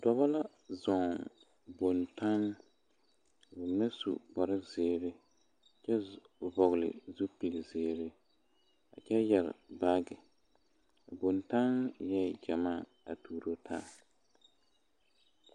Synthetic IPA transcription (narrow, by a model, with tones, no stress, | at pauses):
dɔ˨ba˦la˦ | zɔ˨ŋ | bo˨nta˦n˨ | bʊ˨mɛ˦sṵ˨bɔ˨ɾɪ˦zɪː˨ɾɪ˦˨ | t͡ʃɛ˦ | vɔ˨ɣlɪ̰˨zu˦pi˨lzɪː˨ɾɪ˦ | a̰˨t͡ʃɛ˦jɛ˨ɾ̰ba˦ɡɪ˨ | a˨bo˨nta˦njɛ˦d͡ʒɛ˨maː˦˨ | a̰˨tuː˨ɾo˦tʰa̰˦˨